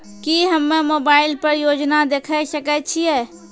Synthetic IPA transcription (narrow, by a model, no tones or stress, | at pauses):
kiɦɐmːẽmoːbaːɪlpɐɾjoːd͡ʒnad̪eːkʰeʃəkət͡ʃʰiɛː